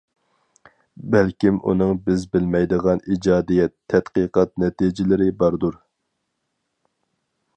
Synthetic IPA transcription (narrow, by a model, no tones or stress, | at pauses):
bɛlkʲimʔṵnɨŋbɪzbɪlmɛjd̪əʁɑnid͡ʒɑːd̪ijɛt̪ʰːɛt̪qɨqɑt̪̚nɛt̪id͡ʒɪlɪɾɪbɑɾd̪uɾ